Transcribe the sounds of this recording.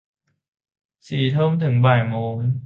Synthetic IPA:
siː˨˩t̪ʰɤː˥˩˨mt̪ʰɯ˩˦ŋbɛː˨˩jmoː˧n

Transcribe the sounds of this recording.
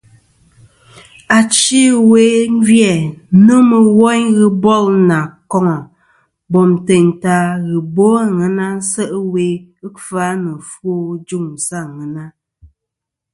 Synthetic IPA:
a˨t͡ʃi˦weː˨˦n̩˦d͡ʒjɛ˨nə˦mə˨wɔ˦ɲɣɨ˦bɔ˦˨lna˨kɔ˦ŋɔ˨ | bɔ˨m˨te˨ɲ˨ta˦ɣɨ˨bo˦a˦˨ŋɛ˨na˦n̩˦sə˦ʔə˦we˦ɨ˦fa˦nə˨fo˦d͡ʒu˦˨ŋ̩˨sa˦˨ŋə˨na˦

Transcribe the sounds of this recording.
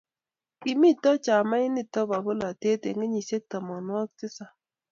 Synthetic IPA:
i˨mi˦tɔ˦t͡ʃa˨ma˦ɪ˦nɪ˦˨tɔ˦ba˨bo˦la˨te˦te˨ŋɪ˦ɲi˨se˦k̚ta˨mɔ˨nwɔ˦k̚tɪ˦sa˨

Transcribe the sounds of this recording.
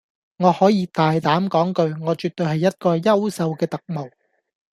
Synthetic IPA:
ŋɔː˨˧hɔː˨˥jiː˨˧t̪aː˨jt̪aː˨˥mkɔː˨˥ŋkɵ˧ɥŋɔː˨˧t͡ʃyː˨t̚t̪ɵ˧ɥɦɐ˨jːɐ˥t̚kɔː˧jɐ˥wsɐ˧wkɛː˧t̪ɐ˨k̚mo˨˩w

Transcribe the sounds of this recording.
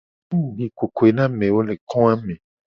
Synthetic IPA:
ũ˦˨bi˨ko˨ko˨e˨nã˦mẽ˨wo˦le˨kʰɔ̃˦ã˦mẽ˨

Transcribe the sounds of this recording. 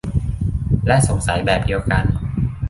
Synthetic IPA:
lɛ˦˥ʔso˨˩˦ŋsa˩˦jbɛː˨˩p̚di˧wka˧n

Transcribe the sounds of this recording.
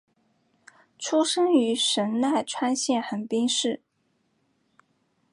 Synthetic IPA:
ʈ͡ʂʰu˥ʂɤ˥ŋy˧˥ʂə˧˥nna˥˩ɪʈ͡ʂʰwa˥nɕjɛ˥˩nxə˨˩npi˥ŋʂɻ̩˥˩

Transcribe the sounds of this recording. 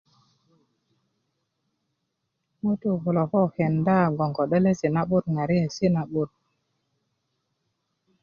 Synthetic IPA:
mu˦tu˦vu˨lo˨kɔ˦˨he˨nda˦˨ɡo˨ŋɡo˨ɗe˦le˦si˨na˦ɓu˦ɾŋa˨ɾi˦e˨si˦na˨ɓu˦ɾ

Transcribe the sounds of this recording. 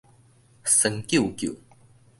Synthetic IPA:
sə˧ŋkji˥˨kju˨

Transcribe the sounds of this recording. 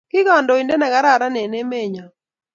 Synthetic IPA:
kɪ˦ka˨ndɔ˨i˨ndɛ˦na˨ɡa˦ɾa˨ɾa˦nɛ˨nɛ˦me˦˨ɲa˨

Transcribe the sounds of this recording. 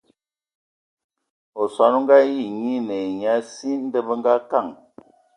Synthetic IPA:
o˨sa˨˦no˦ŋ˦ɡa˦ji˦˨ɲi˦nə˨ɲa˦si˦n̩˦də˦bə˦ŋɡa˦ka˦˨ŋ

